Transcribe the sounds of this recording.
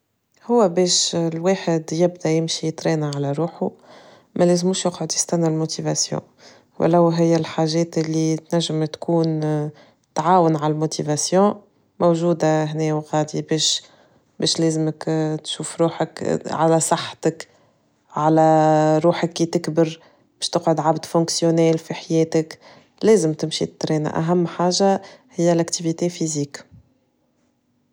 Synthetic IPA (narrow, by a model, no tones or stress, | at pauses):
hʊwːæbɛːʃlweːħɪd̪jɪb̚d̪æjɪmʃijt̪ɾɛːnaʕalæɾˤuːħu | mʔælɛːzmuːʃjʊqʕʊd̪jɪ̥st̪ænːalmot̪ivasjɔ̰̃ː | wʔlæwɦɪjːælħaːʒɛːt̪ɪlːit̪næʒːəmt̪kuːn | t̪ʕaːwənʕalælmot̪ʰivasjɔ̃ː | mowʒuːd̪aɦnɛːwɣaːd̪ibɛːʃ | bɛːʃlɛːzəməkt̪ʃuːfɾuːħəkʕalæsˤɑħːt̪ək | ʕalæɾˤuːħəkːit̪ɪkbəɾ | b̥ɛːʃt̪əqʕʊd̪ʕabd̪fɔ̃ːksjonɛːlfiħajɛːt̪ək | lɛːzəmt̪ɪmʃḭt̪ːɾɛːna̰ʔæ̰ɦæmːħaːʒahɪjːælækt̪ivit̪efiziːk